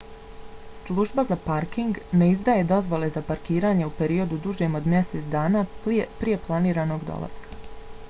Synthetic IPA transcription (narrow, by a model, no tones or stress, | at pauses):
slˠuːʒbazapaɾkiŋɡneizd̪aːje̞d̪o̞zʋo̞le̞zapaɾkiːɾaːɲeupe̞ɾio̞d̪ud̪uʒeːmo̞d̪mjeset̪sd̪aːnaːpɾije̞plˠaniːɾaːno̞ːɡd̪o̰lˠa̰zkʰḁ